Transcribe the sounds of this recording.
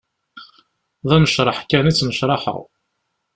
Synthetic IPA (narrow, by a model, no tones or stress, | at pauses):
ðˤæməʃɾˤəħkænit͡sːməʃɾˤɑħə̰ʁ